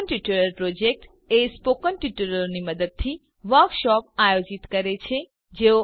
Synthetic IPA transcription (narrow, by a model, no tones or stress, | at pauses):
nʈiʈuɾəɾpɾod͡ʒek̚ʈ | espokənʈiʈuɾəɾniməd̪əd̪̚t̪ʰi | ʋəɾkʃɔp̚ajod͡ʒit̪kəɾet͡ʃʰe | d͡ʒeo